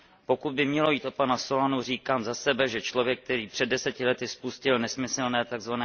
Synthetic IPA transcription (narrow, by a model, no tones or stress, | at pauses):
po̞kud̪̚bɪmɲɛlo̞jiːt̪ʔo̞panaso̞lanur̝iːkaːmzasɛbɛʒɛt͡ʃlo̞vjɛk̚ːt̪ɛɾiːpr̥ɛdɛsɛcɪlɛt̪ɪspuscɪlnɛsmɪsɛlnɛːt̪aɡzvanɛː